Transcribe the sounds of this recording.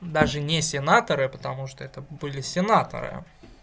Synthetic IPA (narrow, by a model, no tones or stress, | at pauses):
d̪aʐɨnʲɪsʲɪnat̪əɾɨpə̥t̪ɐmuʂt̪oɛt̪əbɨlʲɪsʲɪnat̪ə̰ɾɨ̰